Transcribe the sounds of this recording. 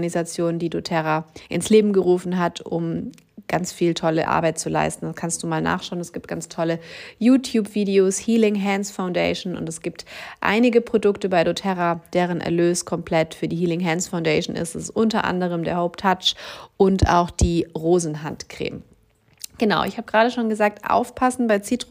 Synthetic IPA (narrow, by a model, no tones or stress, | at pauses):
nizat͡sjoːnəndiːdotʰɛʁaʔɪ̰nsleːbm̩ɡəʁuːfn̩ɦatʰʊm | ɡ̥ant͡sfiːltʰɔlə̰ʔa̰ɐbaɪt̚t͡sula̰ɪstn̩daskʰanstd̥uːmaːlna̰ːχʃaʊnɛsɡ̥iːp̚t̚ɡ̥ant͡stʰɔləjuːtʰjuːpv̥iːdeoːshiːlɪŋɦɛnsfaʊndɛɪʃn̩ʊ̰ntɛsɡ̥iːptʔa̰ɪnɪɡəpʁ̥odʊktəbaɪdotʰɛʁad̥eːʁ̞ənʔɛ̰ɐløːskʰɔmpʰl̥ɛtfyːɐdiːhiːlɪŋɦɛnsfaʊndɛɪʃn̩ɪ̰stɛsʔʊntɐʔa̰ndəʁ̞əmdeːɐhoʊptʰːat͡ʃʔʊnta̰ʊxd̥iːʁoːzn̩ɦantkʁ̥ḛːm | ɡ̥ənaʊʔɪ̰çhaːbəɡʁaːɾəʃoːnɡəzaːk̚tʔa̰ʊfpʰasn̩baɪt͡siːtʁ̥